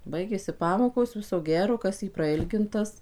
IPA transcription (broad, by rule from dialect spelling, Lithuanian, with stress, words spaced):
ˈbɐɪɡʲeːsʲɪ ˈpɑːmoːkoːs ˈʋʲɪsoː ˈɡʲæːroː ˈkɐs iː prɐˈɪlʲɡʲɪntɐs